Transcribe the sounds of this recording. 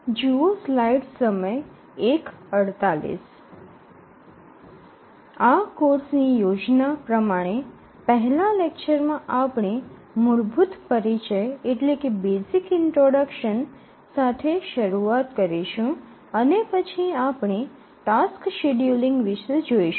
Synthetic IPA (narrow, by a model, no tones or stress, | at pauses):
d͡ʒuoslaiɖsəməj | ekəɽt̪alḭs | akoɾsnijod͡ʒnapɾəmaɽ̃e | pəɦlalekt͡ʃəɾmãʔapɳ̃i | muɭbʱut̪pəɾit͡ʃəjeʈlekebesikɪɳʈɾoɽəkʃən | sat̪ʰeʃəɾuat̪kəɾiʃũ | ənepət͡ʃʰiapɳ̃i | ʈaskʃeɖjuliŋɡʋɪʃed͡ʒoiʃ